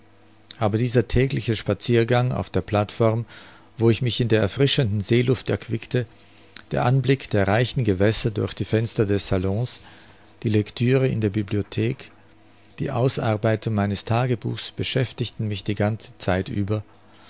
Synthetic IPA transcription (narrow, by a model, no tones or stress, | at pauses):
ʔaːbɐdiːzɐtʰɛːɡlɪçəʃpat͡siːɐɡaŋa̰ʊfd̥eːɐpl̥atfɔʁm | voːɪçmɪçɪndeːɐɛɐfʁ̥ɪʃəndn̩zeːlʊftɛ̰ɐkv̥ɪktə | d̥eːɐʔanblɪkd̥eːɐʁaɪçn̩ɡəvɛsɐdʊɐçd̥iːfɛnstɐdɛsz̥alɔ̃s | d̥iːlɛktʰyːʁ̞əɪ̰ndeːɐbibliotʰeːk | d̥ḭːʔaʊsʔaɐbaɪtʊŋmaɪnəstʰaːɡəbṵːxsb̥əʃɛftɪçtn̩mɪçd̥iːɡant͡sə̥t͡saɪtʔyːbɐ